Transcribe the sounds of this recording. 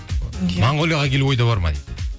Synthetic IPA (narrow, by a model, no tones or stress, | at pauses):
mɑɴʁolˠjɑʁɑkʲelwo̞jd̪ɑβɑɾmɑ̰j